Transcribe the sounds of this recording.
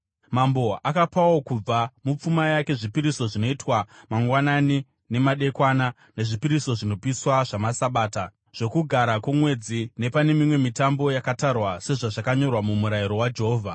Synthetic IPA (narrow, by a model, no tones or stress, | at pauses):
mambo̞akapawo̞kub͡vamup͡fumajake̞ʐipiɾiso̞ʐino̞itwamaŋɡwanani | ne̞maɗe̞kwana | ne̞ʐipiɾiso̞ʐino̞piswaʐamasaɓaːta | ʐ̥o̞kuɡʱaɾakumwe̞d͡zine̞pane̞mimwe̞mitambo̞jakatarwase̞ʐaʐakaɲo̞rwamumuɾajiɾo̞wad͡ʒe̞ɦoːvʱa